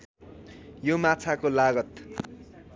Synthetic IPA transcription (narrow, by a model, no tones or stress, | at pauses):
jomat͡sʰakolaɡʌt̪